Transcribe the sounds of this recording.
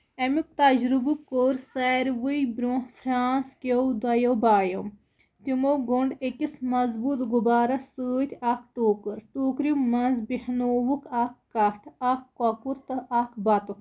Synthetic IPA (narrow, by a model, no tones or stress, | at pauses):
ɐmik̚t̪ɐd͡ʒɾubukːoːɾsɛːɾʋɨjbɾũfʰɾaːnskowd̪ɐjowbaːjom | t̪imowɡoɳɖekismɐzbuːt̪ɡubaːɾɐsɨːt̪ʲʰaːkʈoːkɨɾʈuːkɾimɐnzbihnoːʋukʰaːkːɐʈʰakkɔpuɾt̪ɐʔaːkbɐt̪u